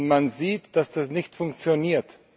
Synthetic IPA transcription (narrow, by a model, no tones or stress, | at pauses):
manziːtd̥asd̥asnɪçtfʊŋk̚t͡sjoniːɐt